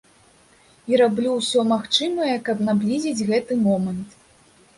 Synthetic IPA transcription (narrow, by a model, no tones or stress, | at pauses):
iɾablʲuwsʲɔmaxt͡ʂɨmɐjɛkɐbnablʲizʲid͡zʲɣɛt̪ɨmɔmɐnt̪